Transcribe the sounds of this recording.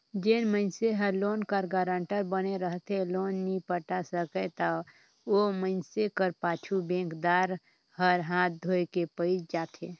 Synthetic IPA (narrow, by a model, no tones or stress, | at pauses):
d͡ʒenməɪnseɦəɾloːnkəɾɡəːɾə̃ɳʈəɾbəneɾəɦt̪eloːnːipəʈasəket̪a | oməɪnsekəɾpaːt͡ʃʰubẽːŋkd̪aːɾ | həɾɦãːt̪̚d̪ʱoːekepəɪd͡ʒd͡ʒaːt̪ʰeː